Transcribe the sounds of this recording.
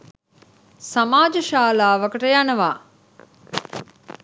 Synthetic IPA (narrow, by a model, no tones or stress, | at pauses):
samaːd͡ʒəʃaːlaːʋəkəʈəjanəʋaː